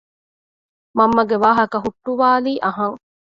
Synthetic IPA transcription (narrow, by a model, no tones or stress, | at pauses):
mɐmːɐɡeʋaːɦɐkɐɦuʈːuʋaːliːʔɐɦɐŋ